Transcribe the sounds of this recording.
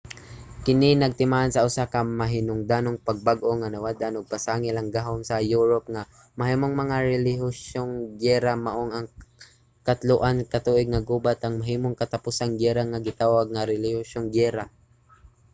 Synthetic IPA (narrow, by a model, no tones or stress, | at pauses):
kɪnɪnɐɡ̚t̪ɪmaʔansɐʔʊsakɐmɐɦɪnʊŋd̪anoŋpɐɡ̚baɡʔoŋanɐwad̪ʔanoɡ̚pasaːŋɪlɐŋɡaɦonsɐjuːɹop̚ŋa | mɐhiːmoŋmɐŋaɾɛlɪɦʊʃoŋɡɛɾamɐʔoŋɐŋ | kɐt̪lʊʔankɐt̪uːʔɪɡ̚ŋɐɡuːbat̪ʔɐŋmɐɦiːmoŋkɐt̪apusaŋɡɛɾaŋaɡɪt̪aːwaɡ̚ŋaɾɪlɪhʊʃoŋɡɛɾa